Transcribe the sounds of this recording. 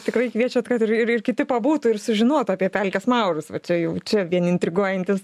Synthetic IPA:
t̪ʲɪkrɐɪkʋʲiɛt͡ʃʲot̪kɐt̪ɪrɪɾɪrkʲɪt̪ʲɪpɐbuːt̪uːɪrsʊʒʲɪnuɔt̪uɑːpʲiɛpʲɛlʲkʲɛsmɐʊɾʊsʋɐt͡ʃʲɛjɛʊt͡ʃʲɛʋʲiɛnɪnʲt̪ʲɾʲɪɡuɔjɛnʲt̪ʲɪs

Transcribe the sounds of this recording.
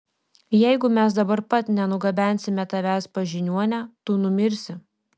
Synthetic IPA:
jɛɪɡʊmʲɛsd̪ɐbɐɾpɐt̪ʲnʲɛnʊɡɐbʲæˑnʲsʲɪmʲɛt̪ɐʋʲæːspɐʒʲɪnʲuɔnʲæt̪uːnʊmʲɪɾʲsʲɪ

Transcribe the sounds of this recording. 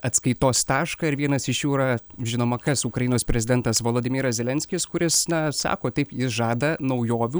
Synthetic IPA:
ɐt̪skɐɪt̪oːst̪ɑːʃkɐːɪɾʋʲiɛnɐsɪʃjuːɾɐʒʲɪnoːmɐkɐsukɾɐjinoːspʲɾʲɛzʲɪd̪ʲɛnt̪ɐsʋoːlˠoːd̪ʲɪmʲiːɾɐszʲɛlʲɛnʲsʲkʲɪskʊɾʲɪsnɐsɑ̰ːkoːt̪ʲɐɪpjɪsʒɑːd̪ɐnɐʊjoːʋʲuː

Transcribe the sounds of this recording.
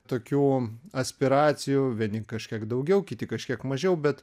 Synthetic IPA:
t̪oːkʲuːɐsʲpʲɪɾɑːt͡s̪ʲɪjuʋʲiɛnʲɪkɐʃʲkʲiɛkd̪ɐʊɡʲɛʊkʲɪt̪ʲɪkɐʃʲkʲiɛkmɐʒʲɛʊbʲɛt̪

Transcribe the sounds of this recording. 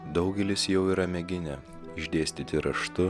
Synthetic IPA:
d̪ɒʊɡʲɛlʲɪsjɛʊiːɾɐmʲɛɡʲɪnʲɛ | ɪʒʲd̪ʲeːsʲt̪ʲɪt̪ʲɪɾɐʃt̪ʊ

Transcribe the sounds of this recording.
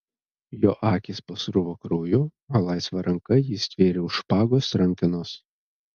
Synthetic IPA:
joːʔɑːkʲɪspɐsɾʊʋokɾoːjʊ | ɐlˠɑˑɪsʋɐɾʔɐŋkɐjɪsʲt̪ʲʋʲeːɾʲɪʊʃpɑːɡoːsɾɐŋʲkʲɪnoːs

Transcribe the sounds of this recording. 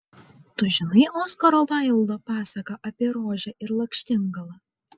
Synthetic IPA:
t̪ʊʒʲɪnɐɪʔoːskɐɾoːʋɐˑɪlˠd̪oːpɑːsɐkɐʔɐpʲiɛɾoːʒʲɛʔɪɾlˠɐkʲʃʲt̪ʲɪŋɡɐlˠɐ

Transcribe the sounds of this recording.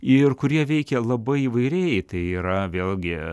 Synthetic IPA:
ɪrkʊɾʲiɛʋʲɛɪkʲɛlˠɐbɐɪiːʋɐɪɾʲeːjɛɪt̪ɐɪiːɾɐʋʲeːlʲˠɡʲɪ

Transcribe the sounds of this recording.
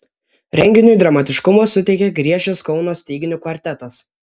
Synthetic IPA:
ɾʲɛŋʲɡʲɪnʲʊd̪ɾɐmɑːt̪ʲɪʃkʊmoːsːʊt̪ʲɛɪkʲɛɡɾʲiɛʃʲɛskɒʊnoːsʲt̪ʲiːɡʲɪnʲʊkʋɐɾʲt̪ʲɛt̪ɐs

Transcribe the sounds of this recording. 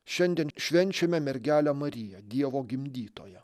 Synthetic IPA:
ʃʲɛnʲd̪ʲiɛnʃʲʋʲɛnʲt͡ʃʲɛmʲɛmʲɛɾʲɡʲæːlʲæmɐɾʲɪjɛd̪ʲiɛʋoːɡʲɪmʲd̪ʲiːt̪o̰ːjɛ

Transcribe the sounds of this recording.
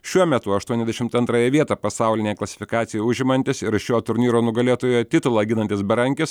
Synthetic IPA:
ʃʲuɔmʲɛt̪ʊɐʃt̪uɔɛzd̪ʲɛʃʲɪmt̪ɐnt̪ɾɑːjɛʋʲiɛt̪ɑːpɐsɑˑʊlʲɪnʲeːklˠɐsʲɪ̥fʲɪkɑːt̪sʲɪjoʊʒʲɪmɐnʲt̪ʲɪsɪɾʃʲoːt̪ʊɾʲnʲiːɾoːnʊɡɐlʲeːt̪oːjoːjɛt̪ʲɪt̪ʊlˠɑːɡʲɪnɐnʲt̪ʲɪsbʲɛɾɐŋʲkʲɪs

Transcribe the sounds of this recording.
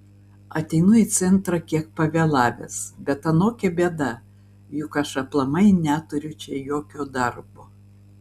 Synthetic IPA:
ɐt̪ʲɛɪnʊit̪sʲɛnt̪ɾɐkʲiɛk̚pɐʋʲeːlˠɑːʋʲḛːsbʲɛt̪ɐnoːkʲɛbʲeɛd̪ɐ | jʊkɐʃɐplˠɐmɐɪnʲæt̪ʊɾʲʊt͡ʃʲɛjoːkʲoːd̪ɐɾboː

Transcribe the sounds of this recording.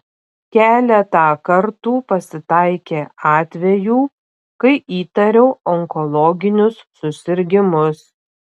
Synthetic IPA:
kʲæːlʲɛt̪ɑːkɐɾt̪uːpɐsʲɪt̪ɐɪkʲeːɑːt̪ʲʋʲɛjuː | kɐɪiːt̪ɐɾʲɛʊɔŋkɔlˠɔːɡʲɪnʲʊsːʊsʲɪɾʲɡʲɪmʊs

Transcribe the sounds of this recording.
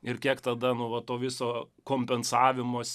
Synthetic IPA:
ɪrkʲiɛkt̪ɐd̪ɐnʊʋɐt̪oːʋʲɪsoːkoːmʲpʲɛnsɑːʋʲɪmoːsʲ

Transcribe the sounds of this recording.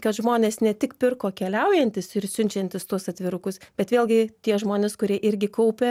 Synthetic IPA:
kɐt̪ʒmoːnʲeːsnʲɛt̪ʲɪkpʲɪrkoːkʲɛlʲɛʊjɛnʲt̪ʲɪsɪɾsʲʊnʲt͡ʃʲɛnʲt̪ʲɪst̪uɔsɐt̪ʲʋʲɪɾʊkʊsbʲɛt̪ʋʲeːlʲˠɡʲɪt̪ʲiɛʒmoːnʲɪskʊɾʲiɛʔɪɾʲɡʲɪkɐʊpʲɛ

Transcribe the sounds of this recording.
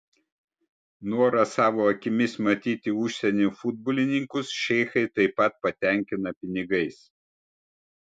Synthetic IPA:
nuɔɾɐsɑːʋoːɐkʲɪmʲɪsmɐt̪ʲiːt̪ʲɪʊʃʲsʲɛnʲufʊd̪̚bɔːlʲɪnʲɪŋkʊsʃʲɛɪxɐɪt̪ɐɪpːɐt̪̚pɐt̪ʲɛˑŋʲkʲɪnɐpʲɪnʲɪɡɐɪs

